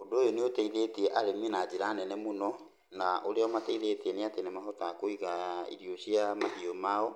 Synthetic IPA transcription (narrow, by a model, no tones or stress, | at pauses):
ondoːjoneotɛiðeteɛʔaɾeminad͡ʑeɾanɛnɛmonɔ | naʔoɾeɔmatɛiðetɛneatenemahɔtakoiɣaḭɾjoɕiamaɣiomaɔ